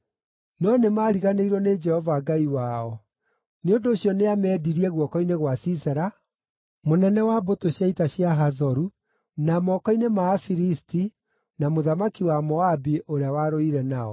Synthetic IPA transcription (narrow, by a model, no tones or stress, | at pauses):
nɔnemaːɾiɣaneiɾɔned͡ʒɛhɔvaɡaiwaːɔ | neondoːɕjɔneamɛːdiɾiɛɣwɔkɔineɣwasisɛɾa | monɛnɛwabotoɕjaitaɕjaɦazɔɾu | namɔkɔinemaːfiɾisti | namoðamakiwamɔabiʔoɾeawaɾoiɾɛnaɔ̰